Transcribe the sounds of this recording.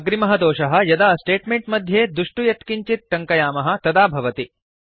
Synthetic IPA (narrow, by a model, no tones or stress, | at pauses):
ɡɾimɐɦɐd̪ɔːʂɐɦɐ̆jɐd̪aːsʈeːʈmeɳʈmɐd̪ʱjeːd̪uʂʈujɐt̪kiɲt͡ʃit̪̚ʈɐŋkɐjaːmɐɦɐ̆t̪ɐd̪aːbʱɐʋɐt̪i